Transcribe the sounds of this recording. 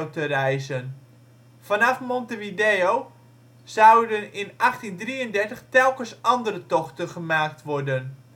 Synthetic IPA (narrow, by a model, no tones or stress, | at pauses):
wtərɛjzən | fɑnɑfmɔntəʋidejow | zawdənɪnɑχtindriəndɛrtəχtɛlˠkənsɑndəɾətɔχtəχəmaːk̚tʋɔrdən